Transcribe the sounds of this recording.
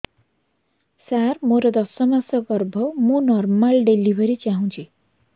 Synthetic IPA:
sarmoɾʌd̪ʌsʌmasʌɡʌrbʱʌmunʌrmalɖelibʱʌɾit͡saɦũt͡sʰi

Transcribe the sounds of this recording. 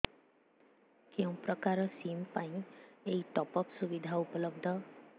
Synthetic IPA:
keũpɾɔkaɾɔsimpaĩeiʈ̪ɔpɔksubid̪ʱaupɔlɔbd̪ʱɔ

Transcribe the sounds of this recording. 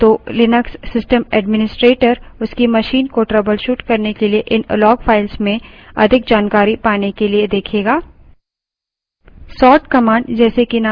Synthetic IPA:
t̪oːlɪnəksːɪsʈəmɛːɖmɪnɪsʈɾeːʈəɾʊskimɐʃiːnkoʈɾɐbəlʃuːʈkɐɾnekelieʔɪnlɔːɡfʰaːɪlsmẽɐ̰d̪ʱɪk̚d͡ʒaːnkaːɾipaːnekelied̪eːkʰeːɡaː | sɔːʈkɐmãːɳɖd͡ʒɛːsekina

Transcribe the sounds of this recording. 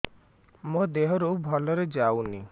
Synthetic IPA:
mod̪eɦɔɾobʱɔlɔɾed͡ʒawni

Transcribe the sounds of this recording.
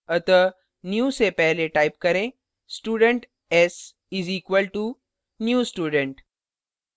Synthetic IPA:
ɐt̪ə | njuːsepɛɦleʈaːɪp̚kɐɾẽ | sʈuːɖə̃ɳʈ | ɛs | ɪziːkʋəlʈu | njuːsʈuːɖə̃ɳʈ

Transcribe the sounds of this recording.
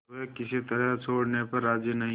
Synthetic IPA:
ɦɛkɪsit̪ɐɾət͡ʃʰoːɽnepɐɾːaːd͡ʒinɐɦĩ

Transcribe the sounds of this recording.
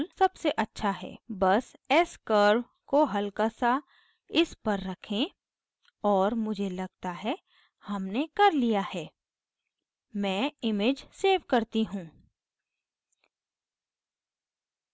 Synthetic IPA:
lsɐbseʔɐtːʃʰaɦɛ̰ːbɐsɛskəɾʋ | koɦɐlkasa | ɪspɐɾːɐkʰẽ | ɔːɾmʊd͡ʒʱelɐɡ̚t̪aɦɛ | hɐmnekɐɾlijahɛː | mɛ̃ːɪmeːd͡ʒseːʋkɐɾt̪iɦũː

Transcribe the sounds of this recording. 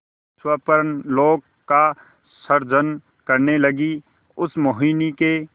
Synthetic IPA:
swəpəɾənloːɡ | kːa | səɾd͡ʒən | kəɾneləɡi | ʊsmoɦiːnike

